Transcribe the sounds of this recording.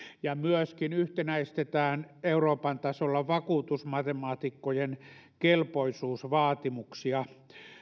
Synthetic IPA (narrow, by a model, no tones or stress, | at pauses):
jɑmyøskinyht̪enæist̪et̪æːneuroːpɑnt̪ɑsolːɑʋɑkuːt̪usmɑt̪emɑːt̪ikːojen | kelpoisuːsʋɑːt̪imuksiɑ